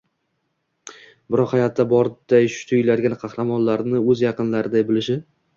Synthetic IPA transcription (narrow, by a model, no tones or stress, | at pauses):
bɪɾɒqhajɒt̪ʰːabɒɾd̪̥ajʃʊ̥t̪ʰʊɪlad̪ɡʲanqʰɑhɾamɒnlaɾnɪɵzjɑqɨnlaɾɪd̪ajbɪlɪʃɪ